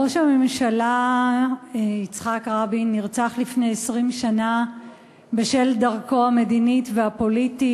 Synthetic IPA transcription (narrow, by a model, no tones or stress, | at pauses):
oʃame̞mʃala | it͡sχakʁabiniʁt͡saχlifne̞jesʁimʃana | beʃe̞ldaʁko̞hame̞dinitveapo̞liti